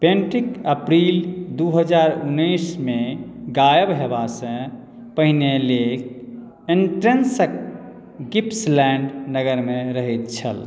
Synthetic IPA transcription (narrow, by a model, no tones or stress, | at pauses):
pẽɳʈɾikəpɾild̪uɦəd͡ʒaɾunːəjsme | ɡajəbɦebasə̃ | pəɦinelek | eɳʈɾensək̚ | ɡipslɛɳɖnəɡəɾmeɾəɦɛt̪̚t͡ʃʰə̰l